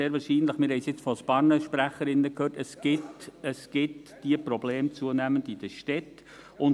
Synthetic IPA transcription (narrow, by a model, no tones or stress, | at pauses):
eːɾʋɑːɾʃiːnləχmɪɾhɛjsjɪt͡sfɔsb̥ɑːɾnəʃpɾæχːəɾɪnːəkhøːtəsɡ̥ɪtəsɡ̥ɪtd̥iəprɔbleːmt͡suənæməndid̥əʃtɛt | ʊn